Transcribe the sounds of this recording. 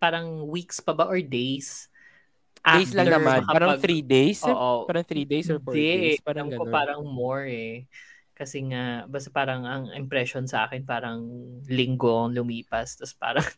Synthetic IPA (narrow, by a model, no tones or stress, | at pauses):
paːɾɐŋwikspɐbaʔoɹd̪ejs | ʔad̪ejslɐŋnɐmanmɐkɐaɾɐɐɡθɾid̪ejsoːʔoaɾɐŋθɾid̪ejsɔɹɛaɾamkoppaːɾɐŋmoɹɛ | kɐsɛŋabɐst̪ɐpaːɾɐŋɐŋɪmpɾɛʃonsɐʔa̰ːkɛnpaːɾɐŋlɪŋɡoŋlʊmiːpɐst̪ɐspa̰ːɾɐŋ